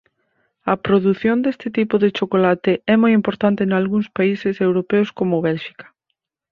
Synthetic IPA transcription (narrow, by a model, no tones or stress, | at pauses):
ɐpɾoðuθjond̪est̪ɪt̪ipʊðɪt͡ʃokolat̪ɪɛmojimpoɾt̪ant̪ɪnalɣuŋspaisɪsewɾopɛʊskomʊβɛlʃi̥kɐ̥